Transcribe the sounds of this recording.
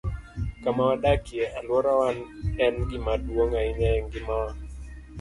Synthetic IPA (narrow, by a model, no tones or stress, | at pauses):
kamawaɗakɪeʔalwɔɾawanɛnɡɪmadwoŋaɪɲaɛŋɡɪmawa